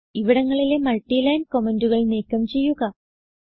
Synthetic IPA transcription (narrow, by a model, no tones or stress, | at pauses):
iʋiɽɐŋːɐɭile̞mɐɭʈːilɐjnko̞menduɣɐɭneːkːɐmt͡ɕe̞jːuɣɐ